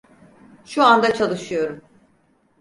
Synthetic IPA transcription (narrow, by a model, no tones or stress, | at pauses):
ʃuand̪at͡ʃʰalˠɯʃɯjo̞ɾum